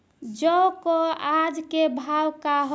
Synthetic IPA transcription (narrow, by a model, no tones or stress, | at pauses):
d͡ʒɔkoad͡ʒkebʱawkaɦ